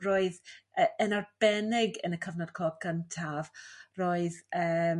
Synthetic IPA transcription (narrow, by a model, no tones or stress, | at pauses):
roːɨðəənarb̥ɛnɪɡənəkʰəvnɔd̥̚kʰɔɡəntʰavroːɨðəː